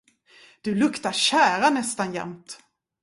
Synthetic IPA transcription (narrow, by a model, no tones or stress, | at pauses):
d̪̥ɵlɵkt̪aɕæːɾanɛst̪anjɛ̰mt̪